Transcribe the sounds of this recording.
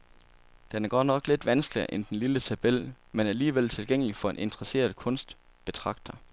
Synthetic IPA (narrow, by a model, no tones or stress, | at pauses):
d̥enæɐɡ̥ɒ̰nɒ̽ɡ̥le̝d̥ʋænsɡ̥liɐ̰ʔend̥enlilət͡sʰæb̥el̰ | menæɐliːʋel̰t͡sʰe̝lɡ̥eŋ̰əlifɒ̽e̝nʔe̝nt͡sʁɐse̝̰ːɐðˠkʰɔ̽nsd̥ | b̥e̝t͡sʰʁɑ̈ɡ̥̚d̥ɐ